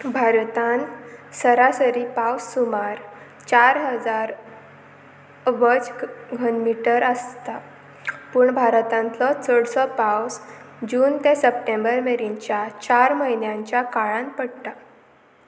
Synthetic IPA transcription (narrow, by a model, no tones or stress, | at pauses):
bʱaɾt̪ansəɾasəɾipawsːumaɾ | t͡ɕaɾɦəd͡zaɾ | ʋəd͡zɡʱənmiʈəɾəst̪a | puːɳbʱaɾt̪ãnt͡sɔt͡səɽsɔpaws | d͡ʑuːnt̪esəpʈẽmbəɾmeɾiɲt͡ɕjat͡ɕaɾməɦinjãɲt͡ɕjakaɭãnpəɽt̪a